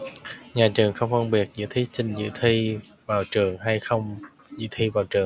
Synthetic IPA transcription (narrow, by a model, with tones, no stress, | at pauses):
ɲaː˨˩t͡ɕɨ˨˩əŋxə˧wŋ͡mfə˧ŋɓi˨˩ət̚zɨ̰˧˥t̪ʰi˧˥t͡ɕï˨˩ŋ̟zɨ̰˧˥t̪ʰi˧ | vaː˨˩wt͡ɕɨ˨˩əŋha˧jxə˧wŋ͡m | zɨ̰˧˥t̪ʰi˧vaː˨˩wt͡ɕɨ˨˩əŋ